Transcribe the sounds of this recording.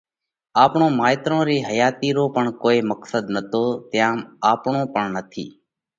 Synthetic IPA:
aːpɳõːmaːɪt̪ɾõːɾiːɦəjaːt̪iːɾoːpəɳkoːiːməksəd̪nət̪oːt̪jãːmaːpɳõːpəɳnət̪ʰḭː

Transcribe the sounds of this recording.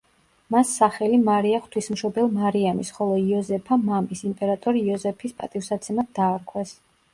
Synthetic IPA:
masːaχɛlimaɾiaχt̪ʰwismʃɔbɛlˠmaɾiamisχɔlˠɔiɔzɛpʰamamisimpʼɛɾat̪ʼɔɾiːɔzɛpʰispʼa̰t̪ʼifsat̪sʰɛmat̪̚d̪aːɾkʰwɛs

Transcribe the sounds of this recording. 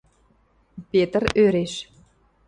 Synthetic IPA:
pet̪ərøɾeʃ

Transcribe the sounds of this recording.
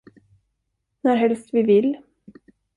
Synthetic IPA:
nɔɾɦɛlst̪ʋiːʋɪl

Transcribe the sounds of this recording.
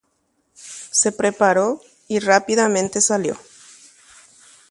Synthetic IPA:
se̞pɾe̞paɾo̞ | irapiðamẽ̞nt̪esaljo̰

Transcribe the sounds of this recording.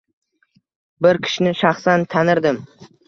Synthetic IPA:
bɪɾkʲʰɪ̥ʃnɪʃaχsant̪ʰanɪɾd̪ɪm

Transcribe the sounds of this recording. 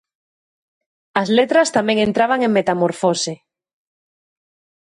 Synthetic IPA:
ɐzlet̪ɾast̪amẽŋẽnt̪ɾaβaŋẽŋmet̪amoɾfose

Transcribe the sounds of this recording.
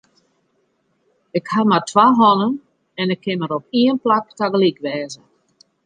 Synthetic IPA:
ɪkhamartʋaɦɔnən | ɛnɪkʰːɪnmaɾopiənplaktaɡəlikʋɛːzə

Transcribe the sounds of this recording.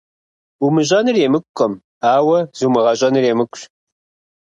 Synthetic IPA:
umɨʑʼɐnɨreːmɨkʷːɔm | aːwɐzumɨʁɐɕʼɐnɨreːmɨkʷʼɕ

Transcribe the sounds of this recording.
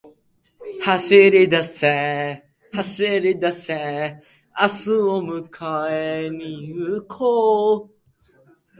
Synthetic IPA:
haɕiɾid̪asɛ | haɕiɾid̪asɛ | asɨomɯkʰaeniɯkʰo

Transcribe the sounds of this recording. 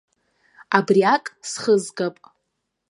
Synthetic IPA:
abriakʼsχəzɡapʼ

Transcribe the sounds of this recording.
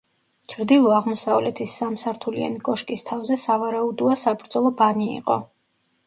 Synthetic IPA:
t͡ʃʰɾd̪ilˠɔaʁmɔsavlɛt̪ʰisːamsaɾt̪ʰulia̰niɡʼɔʃkʼist̪ʰavzɛsavaɾaud̪ɔasabɾd̪zɔlˠɔbanḭːqʼɔ̰

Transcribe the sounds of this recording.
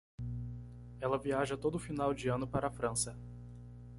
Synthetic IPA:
ɛlɐviaʒɐt̪od̪ʊːfinawd͡ʒɪɐ̃nʊpaɾɐafɾɐ̃sɐ

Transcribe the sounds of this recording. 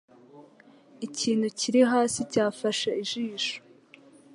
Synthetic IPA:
iciːn̥huciɾiɦaːsicaːfaʃaiʒiːʃo̥

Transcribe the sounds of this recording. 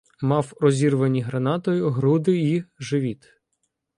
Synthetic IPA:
mɑwɾɔzʲirʋɐnʲiɦɾɐnɑt̪ɔjʊɦɾud̪ɪiʒɪʋʲit̪

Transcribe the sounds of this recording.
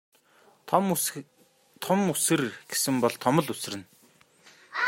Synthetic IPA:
t̪ʰɔmusɘ̆rɡ̥esɘ̆mpɔɮt̪ʰːɔmə̆ɮus̆rɘ̆n

